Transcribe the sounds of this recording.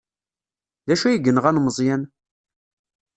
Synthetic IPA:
ðæʃujəɡənəʁænməzˤjæn

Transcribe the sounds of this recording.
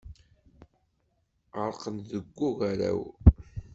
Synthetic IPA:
ʁəɾˤqənðəɡʷːuɣaɾæ̰w

